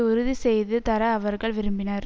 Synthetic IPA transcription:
ʊɾɯðisɛjðɯt̪ɐɾɐːʋɐɾɣɐɭʋɪɾɯmbɪnɐɾ

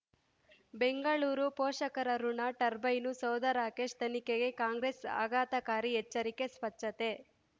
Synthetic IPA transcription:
beŋɡɐɭuːɾupɔːʂɐkɐɾɐɾuɳaʈɐɾbɐjnusɐwd̪ɐɾaːkeːʂt̪ɐnikeɡe̞kaːŋɡɾesa̰ːɡaːt̪ɐkaːɾiɦɛt͡ʃːɐɾike̞spɐʈːɐt̪e̞

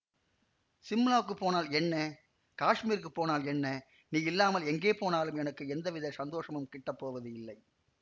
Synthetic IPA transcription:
sɪmːlaːkːɯpːoːnaːlɛnːɐ | kaːʂmiːɾk̬ːɯpːoːnaːlɛnːɐ | niːɪlːaːmɐlɛŋɡeːpoːnaːlɯmɛnɐkːɯɛnd̪ɐʋɪðɐɪsɐnd̪oːʂɐmɯmkɪʈːɐpːoːʋɐðɯɪlːɐɪ

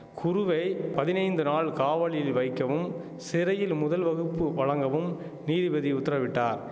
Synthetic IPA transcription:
kʰʊɾʊʋɐɪpɐðɪnɐɪnd̪ɯnaːɭkaːʋɐɭɪjɪlʋɐɪkːɐʋɯm | sɪɾɐjɪlmʊðɐlʋɐɣɯpːɯʋɐɻɐŋɡɐʋɯm | niːðɪbɐðiʊt̪ːɪɾɐʋɪʈːaːɾ

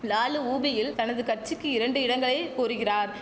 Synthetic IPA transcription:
laːlɯuːbɪjɪlt̪ɐnɐðɯkɐrt͡ʃɪkːɯɪɾɐɳɖɯɪɽɐŋɡɐɭɐɪkuːɾɯɣɪraːɾ

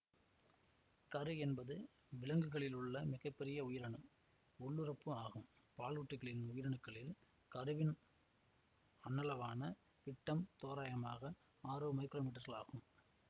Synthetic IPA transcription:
kɐɾɯɛnbɐðɯ | ʋɪɭɐŋɡɯɣɐɭɪlʊɭːɐmɪɣɐpːɛɾɪjɐʊjɪɾɐɳɯ | ʊɭːɯɾɐpːɯaːɣɯm | paːɭuʈːɯɣɐɭɪnʊjɪɾɐɳɯkːɐɭɪl | kɐɾɯʋɪn | ɐnːɐlɐʋaːnɐ | ʋɪʈːɐmt̪oːɾaːjɐmaːɣɐ | aːɾɯmɐɪkːɪɾoːmiːʈ̬ːɐɾɣɐɭa̰ːɣɯm

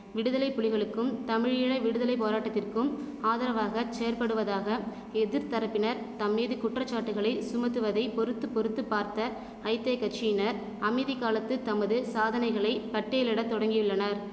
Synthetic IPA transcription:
ʋɪɽɯðɐlɐɪpːʊɻɪɣɐɭɯkːɯmt̪ɐmɪɻjɪɻɐɪʋɪɽɯðɐlɐɪpːoːɾaːʈːɐt̪ːɪrkɯm | aːðɐɾɐʋaːɣɐt͡ʃejɐɾpɐɽɯʋɐðaːɣɐ | ɛðɪɾt̪ɐɾɐpːɪnɐɾ | t̪ɐmːiːðɯkʊʈrɐt͡ʃːaːʈːɯɣɐɭɐɪsʊmɐt̪ːɯʋɐðɐɪpɔɾɯt̪ːɯpːɔɾɯt̪ːɯpːaːɾt̪ɐ | ɐɪt̪ːeːkɐt͡ʃiɪnɐɾ | ɐmɐɪðɪkːaːlɐt̪ːɯt̪ɐmɐðɯsaːðɐnɐɪɣɐɭɐɪpɐʈːɐjɪlɪɽɐt̪ːɔɽɐŋɡɪjʊɭːɐnɐɾ

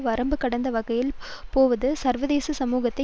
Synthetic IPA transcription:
ʋɐɾɐmbɯkːɐɽɐnd̪ɐʋɐɣɐjɪlpoːʋɐðɯsɐɾʋɐðeːsɐsɐmuːɣɐt̪ːɐ

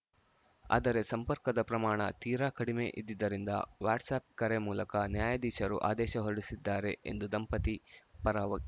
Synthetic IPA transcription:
a̰ːd̪ɐɾe̞sɐmpɐɾkɐd̪ɐpɾɐmaːɳɐ̰t̪iːɾaːkɐɽimeʔid̪ːid̪ːɐɾind̪ɐ̰ʋaːɾʈsaːp̚kɐɾemuːlɐkɐnjaːjɐd̪iːʃɐɾṵʔa̰ːd̪ɛːʃɐɦoɽisid̪ːaːɾe̞ʔḛnd̪ud̪ɐmpɐt̪ipɐɾaːʋɐ

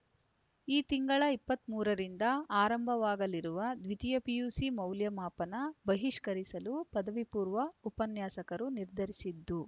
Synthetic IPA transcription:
iːt̪iŋɡɐɭɐipːɐt̪muːɾɐɾind̪ɐaːɾɐmbʱɐʋaːɡɐliɾuʋɐd̪ʋit̪ijɐpijuːsimɐwljɐmaːpɐnɐbɐɦiʂkɐɾisɐlupɐd̪ɐʋipuːɾʋɐupɐnjaːsɐkɐɾuniɾd̪ʱɐɾisid̪ːu

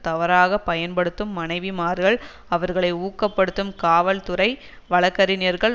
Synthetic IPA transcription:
t̪ɐʋɐɾaːɣɐpːɐjɐnpɐɽɯt̪ːɯmːɐnɐɪʋɪmaːɾɣɐɭ | ɐʋɐɾɣɐɭɐɪuːkːɐpːɐɽɯt̪ːɯmkaːʋɐlt̪ʊɾɐɪ | ʋɐɭɐkːɐɾɪnɪɐɾɣɐɭ

